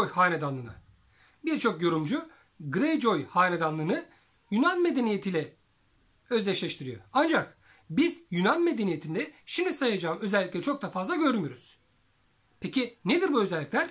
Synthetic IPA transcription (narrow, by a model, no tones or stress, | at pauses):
jhaːned̪anˠɯːnɯ̰ | biɾt͡ʃʰo̞kjo̞ɾumd͡ʒu | ɡɾejd͡ʒo̞jhaːned̪anlˠɯːnɯ | jynanme̞d̪e̞nijet̪ʰilʲɛ | ø̞zlʲɛʃlʲɛʃt̪ʰiɾijo̰and͡ʒak | bizjynanme̞d̪e̞nije̞t̪ʰind̪ɛʃimd̪isajad͡ʒaːmøzɛlʲːiclʲɛɾt͡ʃʰo̞k̚d̪afazlˠaɟø̞ɾmyjoɾuz̥ | pʰecine̞d̪iɾbuø̞zɛlʲːiclʲæɾ